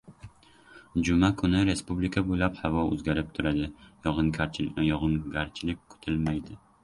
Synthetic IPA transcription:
d͡ʒʊmakʰʊnɪɾe̞spublɪkʰabojlaphavɒɵ̰zɡʲaɾɪp̚t̪ʰʊɾad̪ɪjɒʁɨnkʰajɒʁɨnɡaɾt͡ʃʰɪlɪk̚ʲkʰʊ̥t̪ʰɪlmajd̪ɪ

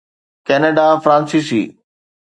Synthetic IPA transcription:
kɛːneːɖafɾãːnsisḭː

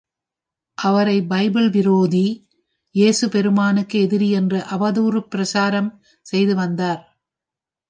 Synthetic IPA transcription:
ʔɐʋɐɾɐɪbɐɪbɪɭʋɪɾoːði | jeːsɯpɛɾɯmaːnɯkːɯɛðɪɾiɛndrɯʔɐʋɐðuːɾɯpːɪɾɐsaːɾɐm | sɛjðɯʋɐnd̪aːɾ

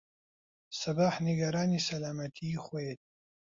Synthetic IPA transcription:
sɐbaːħniɡɐɾaːnisɐlaːmɐt̪ʰiχʷojet̪̚

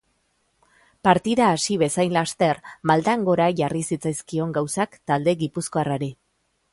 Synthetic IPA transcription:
paɾt̪iðaːsiβ̞e̞sajnlast̪e̞ɾmald̪aŋɡo̞ɾaʝarisit͡sajskio̞ŋɡawsakt̪ald̪e̞ɣipusko̞araɾi

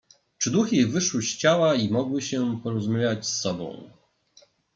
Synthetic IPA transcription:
t͡ʂɘd̪uxʲivɘʂwɘɕt͡ɕawaimɔɡwɘɕɛpɔɾɔzumʲavʲjat͡ɕsːɔbɔ̰̃w̃

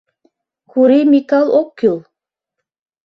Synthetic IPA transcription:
kuɾimikalˠokːulˠ

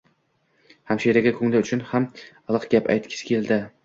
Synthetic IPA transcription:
hamʃijɾaɡʲakʰɵŋlɪʊt͡ʃʰʊnhamɑlˠɨqɡʲapa̰jt̪kʲʰɪ̥skʲeld̪ɪ

